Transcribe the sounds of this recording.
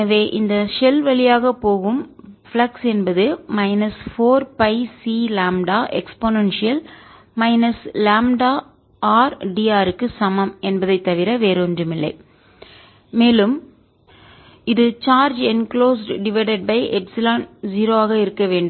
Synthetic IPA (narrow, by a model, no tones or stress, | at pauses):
ɐʋeːʔɪnd̪ɐʃɛlʋɐɭɪjaːɣɐpoːɣɯmflɐksɛnbɐðɯmɐɪnɐsfoːɾpɐɪsiːlaːmɖaːʔɛ̰ksponɐnʂɪjɐl | mɐɪnɐslaːmɖaː | aːɾɖiːaːɾɯkːɯsɐmɐmɛnbɐðɐɪt̪ːɐʋɪɾɐʋeːɾɯndrɯmɪlːɐɪ | meːlɯm | ɪðɯt͡ʃaːɾd͡ʒɛnkloːsɖɖɪʋɐɪɖɐɖ̚bɐɪʔɛpsɪlaːnziːɾoːaːɣɐɪɾɯkːɐʋeːɳɖɯ